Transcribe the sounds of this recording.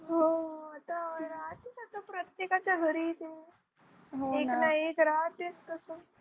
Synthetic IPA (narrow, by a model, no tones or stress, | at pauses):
ɦoat̪aɾat̪isat̪ːapɾət̪jekat͡ɕaɡʱəɾit̪e | ɦoennaekɾat̪jest̪əso